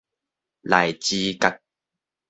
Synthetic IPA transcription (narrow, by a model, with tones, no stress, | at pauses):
la˨˩jt͡ɕiː˧˦ka˦k̚